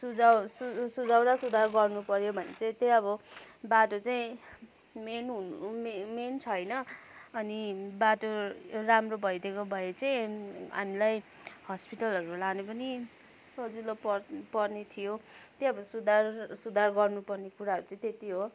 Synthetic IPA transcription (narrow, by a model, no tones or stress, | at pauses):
sud͡zasusud͡zawɾasud̪ʱarɡʌrnupʌɾjobʱʌnḛt͡saĩt̪ejʌbʌbaʈot͡saĩ | menɦunumement͡sʰʌjnʌːnibaʈoramrobʱʌjd̪ʱekobʱʌet͡saĩɦa̰milaj | hʌspiʈʌlʌɾulanepʌni | sʌd͡zilopʌpʌrnet̪ʰijot̪jeʌbʌsud̪ʱarsud̪ʱarɡʌrnupʌrnekuɾaʌɾut͡sʌĩt̪et̪iɦo